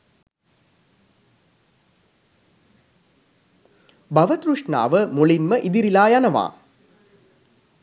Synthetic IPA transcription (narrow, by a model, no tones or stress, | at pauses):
baʋət̪ɾuʂɳa̰ːʋəmuɭinməʔid̪iɾilaːjanəʋa̰ː